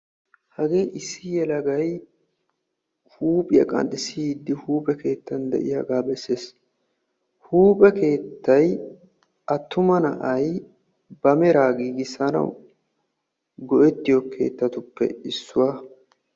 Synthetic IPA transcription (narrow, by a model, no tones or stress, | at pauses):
hɐɡeːʔɪsːɪjɛlɐɡɐj | huːpʼɪjɐ̰kʼɐ̰nd̪ɪsid̪ːɪhuːpʼɛke̞ːt̪ːɐnd̪ɛ̰ʔɪjɐɡaːbɛsːeːs | huːpʼɛke̞ːt̪ːɐj | ʔɐt̪ːʊmɐnɐ̰ʔɐj | bɐmɛɾaːɡiːɡɪsɐnɐ̰w | ɡɔʔɛt̪ːɪjɔkʰe̞̰ːt̪ːɐt̪ʊpːɛ̰ɪsːʊwaː